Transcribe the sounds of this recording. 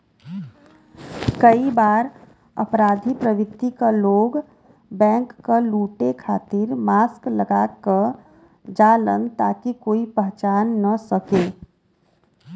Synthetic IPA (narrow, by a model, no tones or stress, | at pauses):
kəibaːɾ | ə̰pɾaːd̪ʱipɾəʋɪkt̪ikaloːɡ | bɛ̃ːŋkːaluːʈekʰaːt̪ɪɾmaːskləɡaːkə | d͡ʒaːlənt̪aːkikoːipəɦt͡ʃaːnːɐsəkeː